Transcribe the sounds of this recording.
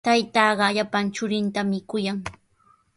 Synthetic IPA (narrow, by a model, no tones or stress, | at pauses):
t̪ajt̪ɑːɢɑʎapant͡ʃʊɾɪnt̪amɪkʊjaŋ